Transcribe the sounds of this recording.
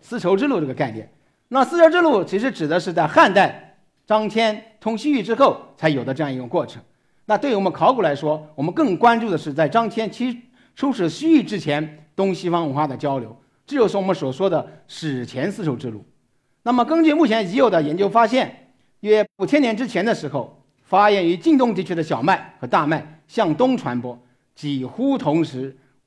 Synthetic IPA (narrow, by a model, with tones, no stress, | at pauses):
sɹ̩˥ʈ͡ʂʰo˧˥ʊʈ͡ʂɻ̩˥˧lu˥˧ʈ͡ʂɤ˥˩ɡə˩˧ka˥˩ɪnjɛ̰˥˩n | na˥˩sɹ̩˥˧ʈ͡ʂʰo˧˥ʊʈ͡ʂɻ̩˥˧lu˥˩t͡ɕʰi˧˥ʂɻ̩˧˥ʈ͡ʂɻ̩˨˩d̪ə˦ʂɻ̩˥˧t͡sa˥˧ɪxa˥˧nt̪a˥˩ɪ | ʈ͡ʂɑ˥ŋt͡ɕʰjɛ˥nt̪ʰʊ˥ŋɕy˥y˥˩ʈ͡ʂɻ̩˥xo˥˩ʊt͡sʰa˧˥ɪjo˨˩ʊd̪ə˦ʈ͡ʂɤ˥˧jɑ˥˩ŋi˧˥ʊ˩˨˩ŋkwɔ˥˩ʈ͡ʂʰɤ̥˧˥ŋ | na˥˧t̪we˥˩ɪ˥wɔ˨˩mə˦nkʰɑ˧˥ʊku˨˩la˧˥ɪʂwɔ˥wɔ˨˩mə˦nkɤ˥˩ŋkwa˥nʈ͡ʂu˥˩d̪ə˩ʂɻ̩˥˧t͡sa˥˩ɪʈ͡ʂɑ˥ŋt͡ɕʰjɛ˥nt͡ɕʰi˥ | ʈ͡ʂʰu˥ʂɻ̩˨˩ɕy˥y˥˩ʈ͡ʂɻ̩˥t͡ɕʰjɛ˧˥nt̪ʊ˥ŋɕi˥fɑ˥ŋwə˧˥xwa˥˩d̪ə˩t͡ɕjɑ˥ʊljo˧˥ʊ | ʈ͡ʂɻ̩˥jo˧˩ʂɻ̩˥˩wɔ˨˩mə˦nswɔ˨˩ʂwɔ˥d̪ə˨ʂɻ̩˨˩t͡ɕʰjɛ˧˥nsɹ̩˥˧ʈ͡ʂʰo˧˥ʊʈ͡ʂɻ̩˥˧lṵ˥˩ | na˥˩mə˩kə˥ŋt͡ɕy˥˧mu˥˩t͡ɕʰjɛ˧˥n˧t͡ɕi˧˥jo˨˩ʊd̪ə˦jɛ˧˥nt͡ɕjo˥ʊfa˥ɕjɛ˥˩n˥˩ | a˥˩u˨˩t͡ɕʰjɛ˥njɛ˧˥nʈ͡ʂɻ̩˥t͡ɕʰjɛ˧˥nd̪ə˨˧ʂɻ̩˧˥xo˥˧ʊ | fa˥jɛ˥˩ny˧˥t͡ɕi˥˧ŋt̪ʊ˥˩ŋt̪i˧˥t͡ɕʰy˥d̪ə˨ɕ̬jɑ˨˩ʊma˥˩ɪxɤ˧˥t̪a˥˧ma˥˩ɪ | ɕjɑ˥˩ŋt̪ʊ˥ŋʈ͡ʂʰwa˧˥npwɔ˥ | t͡ɕi˨˩xu˥t̪ʰʊ˧˥ŋʂɻ̩˧˥